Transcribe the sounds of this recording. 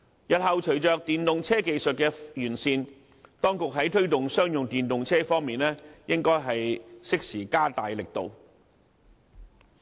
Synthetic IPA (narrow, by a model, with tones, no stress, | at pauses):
jɐ˨t̚hɐ˨wt͡ʃʰɵ˨˩ɥt͡ʃœː˨k̚t̪iː˨nt̪ʊ˨ŋt͡sʰɛː˥ke˨jsɵ˨t̚kɛː˧jyː˨˩nsiː˧n | t̪ɔː˥ŋkʊ˨k̚ɦɐ˨˥jt̪ʰɵ˥ɥt̪ʊ˨ŋsœː˥ŋjʊ˨ŋt̪iː˨nt̪ʊ˨ŋt͡sʰɛː˥fɔː˥ŋmiː˨nlɛː˥jɪ˥ŋkɔː˥jɦɐ˨jsɪ˥k̚siː˨˩kaː˥t̪aː˨jlɪ˨k̚t̪o̰˨w